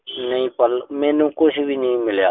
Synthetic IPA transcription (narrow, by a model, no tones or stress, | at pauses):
nəĩːpəlmeːnũːkʊt͡ʃʰbʱiːnəĩːmɪlja̰ː